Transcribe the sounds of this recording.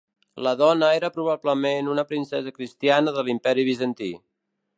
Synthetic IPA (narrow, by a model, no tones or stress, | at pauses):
ləðɔnəeɾəpɾuβ̞abləmenunəpɾinsɛzəkɾist̪ianəðəlimpɛɾiβ̞izənt̪i